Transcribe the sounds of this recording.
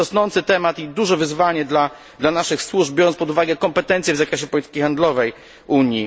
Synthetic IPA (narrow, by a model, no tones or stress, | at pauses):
ɔsnɔnt̪sɘt̪ɛmat̪id̪uʐɛvɘzvaɲɛd̪la | d̪lanaʂɘxswuʐbʲjɔɾɔnspɔd̪uvaɡɛkɔmpɛt̪ɛnt̪sʲjɛvzakɾɛɕɛpɔlʲit̪ɘ̥kʲixand̪lɔvɛj | ʔuɲji